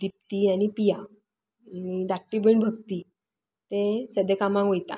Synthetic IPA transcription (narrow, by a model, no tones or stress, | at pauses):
d̪ip̚t̪iañipija | id̪aʈːibəɳbʱəɡt̪i | t̪ẽsəd̪ekamãkɦojt̪a̰